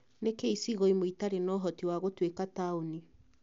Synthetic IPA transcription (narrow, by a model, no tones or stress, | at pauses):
nekeisiɣɔimoitaɾenɔɦɔtiwaɣotwekataoni